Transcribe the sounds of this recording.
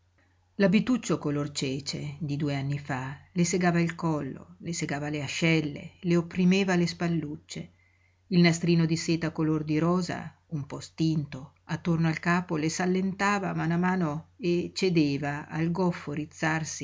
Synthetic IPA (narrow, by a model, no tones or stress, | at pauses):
labit̪ut͡ʃːokolort͡ʃɛːt͡ʃed̪id̪uːeanːifaleseɡaːvailkɔlːo̰leseɡaːvaleaʃːɛlːḛleopːɾimeːvalespalːut͡ʃːe | ilnast̪ɾiːnod̪iseːt̪akolord̪iɾɔːza̰ | umpɔst̪int̪o | at̪ːornoalkaːpolesalːent̪aːvamanamaːnoet͡ʃed̪eːvaa̰lɡɔfːoɾit̪sːarsi